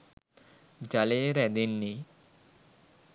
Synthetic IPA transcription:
d͡ʒaleɾɛd̪inːi

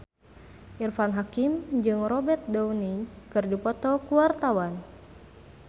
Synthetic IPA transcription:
ʔirfanɦakimd͡ʒɨŋrɔbɛrt̪̚dɔunikɨrdipɔt̪ɔkuwart̪awan

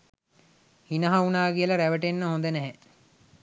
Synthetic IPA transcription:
hinəɦaunaːɡiələɾæʋəʈenːəɦõnd̪ənɛɦɛ

